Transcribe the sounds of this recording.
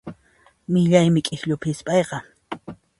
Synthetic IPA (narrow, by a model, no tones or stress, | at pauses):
mɪʎajmɪkʼɪxʎʊpʰɪspʼɑjqɑ